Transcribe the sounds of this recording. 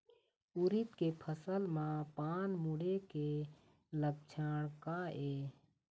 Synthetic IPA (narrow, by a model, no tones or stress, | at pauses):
ʊɾɪt̪kepʰəsəlmãpaːnmʊɽeke | ləɡ̚d͡ʒʰaːɽ̃kaeː